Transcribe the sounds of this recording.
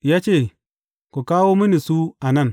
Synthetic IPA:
ja˦t͡ʃe˦˨ | ku˨ka˦wo˦mi˦ni˨su˦a˨na˦˨n

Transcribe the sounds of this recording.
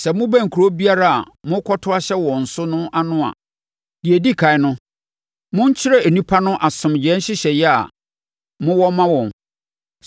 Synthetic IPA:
sɛ˨mʊ̃˦bæ̃˦˨ŋ̩˨kʰu˨ɾo˦bi˦a˦ɾa˦˨a̰˨ | mʊ̃˦kʰɔ˦tʰʊ˦a˦ɕɛ˦wɔ̃˨n̩˨sʊ˦nʊ̃˦ʔa˦nʊ̃˦a̰˨ | dɪ˨e˨di˦kʰa˨ɪ˦nʊ̃˦ | mʊ̃˦ɲ˦t͡ɕʰɪ˦ɾɛ˦e˨nĩ˦pʰa˦nʊ̃˦ʔa˨sʊ̃˨md͡ʑɛ̃˦ɕɪ˦ɕɛ˨jɛ˦a̰˨ | mʊ̃˦wɔ˦mã˦wɔ̃˨n

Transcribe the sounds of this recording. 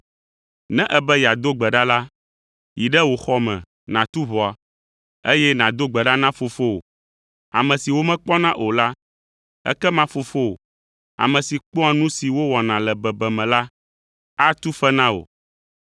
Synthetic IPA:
nɛ̃˦ʔɛ˦bɛ˦ja˨d̪o˦ɡ͡bɛ˨ɖa˦la˦ | ji˨ɖɛ˦wo˨xɔ˦mɛ̰̃˨ | nã˨t̪u˦βɔ˨a˨ | e˦jɛ˦nã˨d̪o˦ɡ͡bɛ˨ɖa˦nã˦fo˨fo˦o̰˨ | a̰˨mɛ̃˨si˨wo˦mɛ̃˦k͡pɔ˦nã˦ʔo˨la˦ | ɛ̰˦kɛ˦mã˦fo˨fo̰˦˨ | a̰˨mɛ̃˨si˨k͡pɔ˦a˨nũ˦si˨wo˦wɔ˨nã˨lɛ˨bɛ˨bɛ˨mɛ̃˨la˦ | a˦t̪u˦fɛ˦nã˦o̰˨

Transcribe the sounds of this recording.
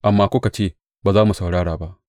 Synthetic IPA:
ʔa˨mːaː˦kʷʊ˦ka˨t͡ʃeː˦˨ | baː˨zaː˦mu˨sa˨wɽaː˦ɽaː˨ba˦ʔ

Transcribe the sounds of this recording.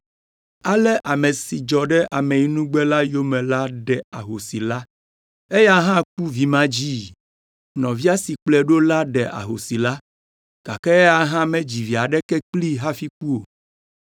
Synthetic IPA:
a˦lɛ˦ʔa˨mɛ˨si˨d͡ʒɔ˨ɖɛ˦ʔa˨mɛ̃˨i˨˦nũ˦ɡ͡bɛ˦la˦jo˦mɛ̃˨la˦ɖɛ˨a˨ɦo˨si˨la˦ | e˦ja˦ɦã˦ku˦vi˨mã˦d͡ʑiː˦ | nɔ̃˨vi˦a˦si˨k͡plɛ˦ɖo˦la˦ɖɛ˨ʔa̰˨ɦo˨si˨la˦ | ɡ̥a˨kɛ˦a˦ɦã˦mɛ̃˦d͡ʑi˨vi˨a˨ɖɛ˦kɛ˦k͡pli˦ɦa˦fi˦k̚u˦o˨

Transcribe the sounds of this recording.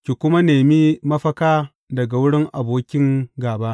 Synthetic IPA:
kʲi˨kʷʊ˦ma˦neː˨mi˦mɐ˦ɸɐ˦kaː˦ | dɐ˨ɡa˨wʊ˦ɽɪ˦ŋʔa˨boː˦kʲɪ˦ŋɡaː˨ba˦ʔ

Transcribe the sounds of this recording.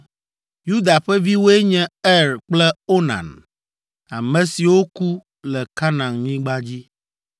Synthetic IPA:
ju˦d̪a˨ɸɛ˦vi˦wo˦e˦ɲɛ̃˦ɛ˦ɾk͡plɛ˦o˦nã̰˨n | a̰˨mɛ̃˨si˨wo˦ku˦ | lɛ˨ka˦nã˨ŋɲĩ˦ɡ͡ba˦d͡ʑi˦

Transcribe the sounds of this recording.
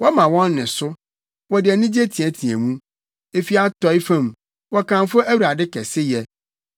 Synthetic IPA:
wɔ˦mã˨wɔ̃˦nːɪ̃˨sʊ˦ | wɔ˨dɪ˨ɛ˨nĩ˦d͡ʑe˦tʰĩ˨ɛ˨tʰĩ˨æ̰̃˨mũ˦ | e˨fi˦a˦tɔ˨˦ɪ˦fã˦˨m | wɔ˦kã˨m˦fʊ˦æ˦wu˨ɾa˨dɪ˦kɛ˨sɪ˦jɛ˨

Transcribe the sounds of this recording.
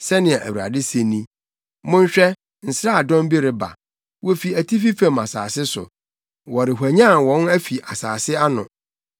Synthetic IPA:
sɛ˦nɪ̃˨ɛ˨ʔæ̰˨wu˨a̰˨dɪ˦se˨nĩ˦ | mʊ̃˦ɲ̩˦ɕᶣɛ˦ | n̩˨sɾa˦a˨dɔ̃˦m˦bi˦ɾɪ˨ba̰˨ | wɔ˦fi˨æ˨tʰi˦fi˦fã˨ma˨sa̰ː˨sɪ˦sʊ̰˨ | wɔ˨ɾɪ˨ɦʷæ˨ɲã˦˨wɔ̃˨˦næ˦fi˨ʔa˨saː˨sɪ˦a˦nʊ̰̃˨

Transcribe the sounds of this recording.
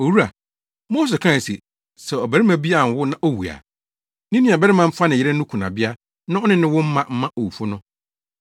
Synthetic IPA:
o˨wu˦ɾa˨ | moː˦s̬e˨kʰã˦˨sḭ˨ | sɛ˨ɔ˨bæ˨ɾi˦mã˨bi˦a˨n˨wʊ˦nã˦ʔo˦wu˨a̰˨ | nĩ˦nĩ˦˨a˨bɛ˦ɾɪ˦mã˨m̩˦fa˦nɪ̃˨jɪ˦ɾɛ˦nʊ̃˦kʰũ˨nã̰˨bɪ˦a˦ | nã˦ɔ˦nɪ̃˦nɪ̃˦wʊ̃˦m̩˦mã˦˨m̩˦mã˦ʔo˨wu˨fʊ˦nʊ̃˦

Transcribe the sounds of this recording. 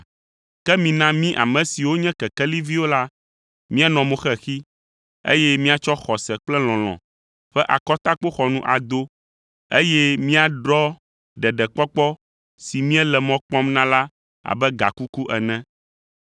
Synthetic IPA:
kɛ˦mĩ˨nã˦mĩ˦ʔa̰˨mɛ̃˨si˨wo˦ɲɛ̃˦kɛ˨kɛ˦li˦vi˦wo˦la˦ | mĩ˦a˨nɔ̃˨mõ˨xɛ˦xi˦ | ḛ˦jɛ˦mĩ˦a˨t͡ʃɔ˦xɔ˨sɛ˨k͡plɛ˦l̃ɔ̃˨l̃ɔ̰̃˨ | ɸɛ˦ʔa̰˨kɔ˦t̪a˦k͡po˦xɔ˨nũ˦ʔa˨d̪o˦ | e˦jɛ˦mĩ˦a˨ɖɾɔ˦ | ɖɛ˨ɖɛ˨k͡pɔ˦k͡pɔ˦ | si˨mĩ˦ɛ˦lɛ˨mɔ̃˦k͡pɔ̃˦mnã˦la˦ | a̰˨bɛ˦ɡa̰˨ku˦ku˦ʔɛ˨nɛ̃˦

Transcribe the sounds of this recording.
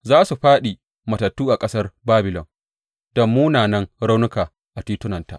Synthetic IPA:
zaː˦su˨ɸaː˦ɗi˨ | mɐ˨tɐ˨tːuː˦ʔa˨kʼɐ˦sɐ˦rbaː˦bɪ˨lɔ̰˨n | d̥ɐ˨mːuː˦naː˨nɐ˦ŋɾa˦wnʊ˦kaː˨ | ʔa˨tiː˦tʊ˦nɐ˨nta̰˨ʔ

